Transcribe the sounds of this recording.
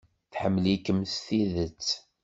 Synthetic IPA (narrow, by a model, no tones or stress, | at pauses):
θħəmːlikːəmsθiðət͡sː